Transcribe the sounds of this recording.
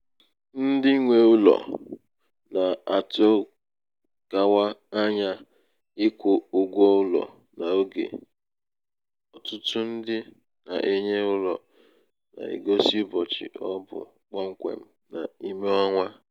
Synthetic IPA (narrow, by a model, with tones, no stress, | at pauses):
n̩˦dɪ˦ŋʷe˨ʊ˦lɔ̰˨ | na˨a˨to˦ | ɡ̥a˨wa˦a˦ɲa˦ | ɪ˦kʷʊ˨ʊ˨ɡʷɔ˦ʊ˦lɔ̰˨ | na˨o˦ɡḛ˨ | ɔ˨tʊ˦tʊ˦n̩˦dɪ˦ | na̰˨ʔe˦ɲe˦ʊ˦lɔ̰˨ | na̰˨ḭ˨ɡo˦si˦bɔ˨t͡ʃɪ̰˨ɔ˦bʊ̰˨ | k͡pɔ˦ŋ̩˦kʷḛ˨m̩˦ | na̰˨i˦me˦ɔ˦ŋʷa˦